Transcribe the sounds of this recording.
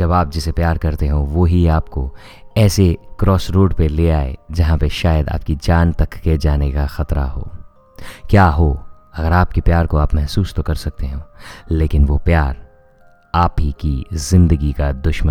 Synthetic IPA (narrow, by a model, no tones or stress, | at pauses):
d͡ʒɐbaːp̚d͡ʒɪsepjaːɾkɐɾt̪eɦõʋoɦiaːpko | ɛːsekɾʔɔːsɾoːɖpeleːaːḛd͡ʒɐɦãpeʃaːjəd̪a̰ːp̚kid͡ʒaːnt̪ɐkːed͡ʒaːnekaxɐt̪ɾa̰ɦo̰ː | kjaːɦoː | ɐɡəɾaːp̚kepjaːɾkoaːpmɛɦsuːst̪okɐɾsɐk̚t̪eɦõːleːkɪnʋopjaːɾ | aːpɦikizɪ̃nd̪əɡikad̪ʊʃmə